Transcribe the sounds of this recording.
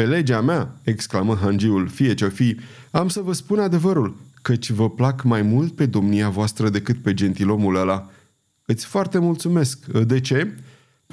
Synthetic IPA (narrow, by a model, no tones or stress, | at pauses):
pe̞le̞d͡ʒameae̞ksklaməɦand͡ʒiulfije̞t͡ʃefij | amsəvəspunad̪e̞vəɾulkət͡ʃʲvəplakmajmult̪̚pe̞d̪o̞mniavoast̪ɾəd̪e̞kɨt̪̚pe̞d͡ʒe̞nt̪ilo̞muləla | ɨt̪sʲfoart̪e̞mult̪sume̞skd̪e̞t͡ʃe̞